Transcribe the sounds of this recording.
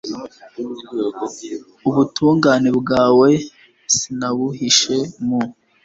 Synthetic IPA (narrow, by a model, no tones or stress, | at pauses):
uβutuːŋɡaːne̞bɡaːwe̞ | sinaβuhiʃe̞mu